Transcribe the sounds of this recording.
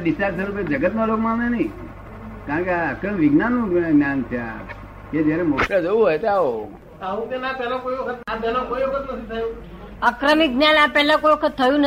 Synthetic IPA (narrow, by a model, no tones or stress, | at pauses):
ɖisaɾsʰəɾuped͡ʒəɡət̪nolokmãmenəĩ | kaɳkeaəkɾəmʋiɡnanːũɡnjant̪ʰja̰ | ked͡ʒjaɾemokʈad͡ʒoʋũɦɔjt̪ao | aʋũk̪enapɛlãkoiʋəkʰət̪nap̪alõkoiʋəkʰət̪nət̪ʰit̪ʰajũ | əkɾəmiɡnjanapɛɦlãkojʋəkʰət̪ʰːəjũn